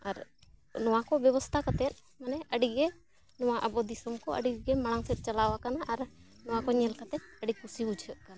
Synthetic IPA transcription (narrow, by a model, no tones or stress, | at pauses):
aɾnɔwakɔbjɔbɔst̪ʰakat̪ɛt̪̚ | manɛəɖiɡɛ | nɔwaʔəbɔd̪isɔmkɔʔə̰ɖiɡɛmaɽ̃aŋsɛt̪̚ˀt͡ʃalawakanaʔaɾ | nɔwakɔɲɛlkat̪ɛt̪̚əɖikusiud͡ʒʱəʔ̪̚kana